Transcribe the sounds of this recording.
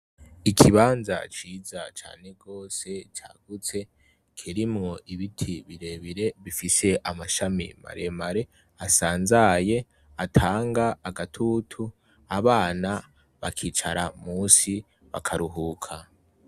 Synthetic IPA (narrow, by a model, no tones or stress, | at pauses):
ikʰiβaːnza̰t͡ʃiːzat͡ʃa̰ːne̞ɡo̞ːse̞t͡ʃa̰ːɡ̥ut͡se̞ | kʰiɾimŋo̞ʔiβitʰiβiɾe̞βiɾe̞βifise̞ʔamaʃamḭma̰ɾe̞maɾe̞ | asaːnzaje̞ | atʰaːŋɡaːɡatʰutʰu | aβaːna | βakʰiːt͡ʃa̰ɾamuːsi | βakʰaɾuɦuːkʰa